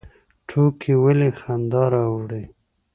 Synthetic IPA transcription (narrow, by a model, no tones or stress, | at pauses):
ʈʰokʰiwəlexand̪ɑɾawɽe